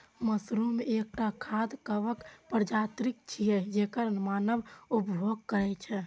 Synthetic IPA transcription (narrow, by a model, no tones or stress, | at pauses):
məsɾumeek̚ʈakʰad̪kəbəkpəɾd͡ʒat̪ɾikt͡ʃʰijɛd͡ʒekəɾmanəbupjʱoɡ̚kəɾɛt͡ʃʰɛ